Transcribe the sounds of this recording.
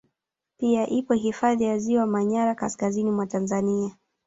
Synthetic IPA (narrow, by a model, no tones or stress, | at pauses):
piaʔipɔɦifaðijaziwamaɲaɾakaskazinimwatanzania